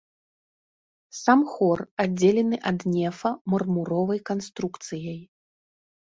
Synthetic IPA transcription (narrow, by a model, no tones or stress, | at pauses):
samxɔrad͡zʲelʲɛnɨʔɐd̪nʲɛfɐmɐrmuɾɔvɐjkanst̪ɾukt̪sɨjɐj